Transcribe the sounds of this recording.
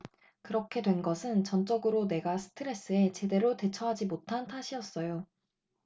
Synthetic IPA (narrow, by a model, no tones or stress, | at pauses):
kɯɾʌkʰe̞dwe̞nɡʌsʰɯnt͡ɕʌnt͡ɕ͈ʌɡɯɾone̞ɡasʰɯ̥tʰɯɾe̞s͈ɯe̞t͡ɕe̞de̞ɾote̞t͡ɕʰʌɦad͡ʑimotʰantʰaɕʰiʌs͈ʌjo